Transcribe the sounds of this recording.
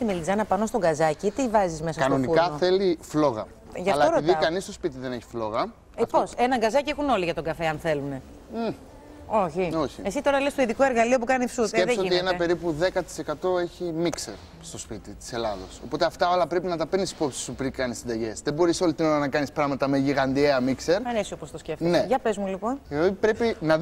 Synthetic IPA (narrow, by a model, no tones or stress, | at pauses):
t̪imelizɐnɐpɐnost̪o̞ɡɐzɐcit̪ivɐzizme̞s̬ɐɐsɐnoniukɐθeliflo̞ɣɐ | ʝɐɐltlɐoɾiðikɐnist̪o̞spit̪iðe̞neçi̥flo̞ɣɐ | pose̞nɐŋɡɐzɐciexuno̞liʝɐt̪oɡɐfe̞ɐnθe̞lune̞ | o̞çio̞çḭesit̪o̞ɾɐlest̪oiðikoe̞ɾɣɐlio̞pukɐnifsusseðesoinienɐpe̞ɾipuðe̞kɐt̪i̥se̞kɐt̪o̞eçimikseɾ | st̪o̞spit̪it̪i̥se̞lɐðo̞̰so̞̰po̞t̪e̞ɐft̪ɐo̞lɐpɾe̞pinɐt̪ɐpenisi̥po̞psi̥supɾikɐnisind̪ɐʝe̞sðebo̞ɾiso̞lit̪ino̞ɾɐnɐkɐnispɾɐɣmɐt̪ɐme̞ʝiɣɐnd̪ieɐmikse̞ɾɐnesiopost̪osceftineʝɐpezmulipo̞neot̪ipɾe̞pinɐ